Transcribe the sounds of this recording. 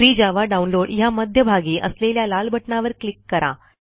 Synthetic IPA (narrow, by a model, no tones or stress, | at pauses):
ɾiːd͡ʑaʋaɖaunloɽjaməd̪ʱjəbʱaɡiːʔə̰sleljalalbʱəʈɳaʋəɾklikːəɾa̰